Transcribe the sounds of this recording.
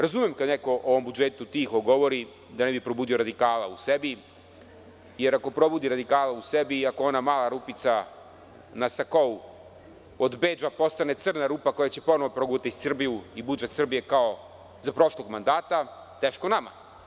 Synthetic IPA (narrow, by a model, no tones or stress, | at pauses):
ɾazumjemkad̪neko̞ʔoʋo̞mbud͡ʒet̪ut̪iːxoɡo̞ʋo̞ɾi | d̪anebipɾo̞buːd̪ijo̞ɾad̪ikaːla̰usebi | je̞ɾako̞pɾo̞bud̪iɾad̪ikaːlausebiːako̞o̞namaːlaɾuːpit̪sa | nasakou | od̪beːd͡ʒapo̞st̪ane̞t̪sr̩naɾuːpako̞jat͡ɕepo̞noʋopɾoɡut̪issr̩bijuibud͡ʒet̪sr̩bije̞kao̞ | zapɾo̞ʃlˠo̞ɡmand̪aːt̪a | t̪eːʃkonama̰